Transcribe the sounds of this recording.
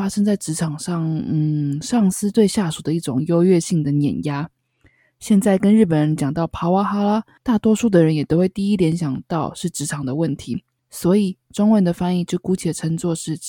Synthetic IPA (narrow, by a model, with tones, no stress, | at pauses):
fa˥ʂə˥ŋt͡sa˥˩ɪʈ͡ʂɻ̩˧˥ʈ͡ʂʰɑ˨˩ŋʂɑ˥˩ŋn̩˥˨˩ʂɑ˥˩ŋsɹ̩˥t̪we˥˧ɪɕja˥˩ʂu˨˩d̪ə˦i˥˩ʈ͡ʂʊ˨˩ŋjo˥ʊɥɛ˥˧ɕi˥˩ŋd̪ə˨njɛ̰˨˩nja˥ | ɕjɛ˥˧nt͡sa˥˩ɪkə˥nɻɻ̩˥˩pə˨˩nɻə˧˦nt͡ɕjɑ˨˩ŋt̪ɑ˥˩ʊpʰa˧˥wa˥xa˥la˥ | t̪a˥˩t̪wɔ˥ʂu˥˩d̪ə˩ɻə˧˦njɛ˨˩t̪o˥ʊwe˥˧ɪt̪i˥˧i˦˥ljɛ˧˥nɕjɑ˨˩ŋt̪ɑ˥˧ʊʂɻ̩˥˩ʈ͡ʂɻ̩˧˥ʈ͡ʂʰɑ˨˩ŋd̪ə˦wə˥˩nt̪ʰi˨˧˥ | swɔ˧˥i˨˩ | ʈ͡ʂʊ˥ŋwə˥˧˩nd̪ə˨˩fa˥˧ni˥˧t͡ɕjo˥˩ʊku˥t͡ɕʰi˨˥d̪ə˩ʈ͡ʂʰə˧˥ŋt͡swɔ˥˧ʂɻ̩˥˩